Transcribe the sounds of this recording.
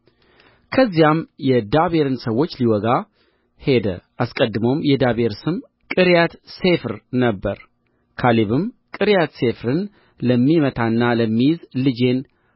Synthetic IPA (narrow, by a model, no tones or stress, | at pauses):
kʰəzːijamjɛd̪aβe̞ɾɨnsəwo̞t͡ʃːliwɔɡa | he̞d̪ə̰ʔaskʼəd̪ːɨməwmjɛd̪aβe̞ɾsɨm | kʼɨɾjat̪se̞fɾnəbːəɾ | kʰaliβɨm | kʼɨɾjat̪se̞fɾɨn | ləmːimət̪ʰaɨnːaləmːijɪzlɨd͡ʒe̞n